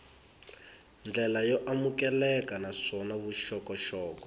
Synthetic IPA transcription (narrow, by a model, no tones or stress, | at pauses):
nd͡ɮɛlajɔʔamukɛlɛkanaʂɔnaβuʃɔkɔʃɔːkɔ̥